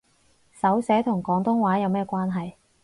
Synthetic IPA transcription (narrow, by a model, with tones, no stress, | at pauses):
sɐ˨˥wsɛː˨˥t̪ʰʊ˨˩ŋkɔː˨˥ŋt̪ʊ˥ŋwaː˨˥jɐ˨˧wmɛː˥kʷwaː˥nɦɐ˨j